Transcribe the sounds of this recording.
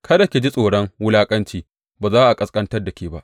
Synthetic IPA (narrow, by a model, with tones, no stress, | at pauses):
kʰɐ˦da˨kʲe˨d͡ʒi˦sʼoː˨ɽɐ˦ŋwʊ˦laː˦kʼɐ˦nt͡ʃiː˦ | baː˨zaː˦ʔa˨kʼɐ˨skʼɐ˦ntɐ˦rda˨kʲeː˨ba˦ʔ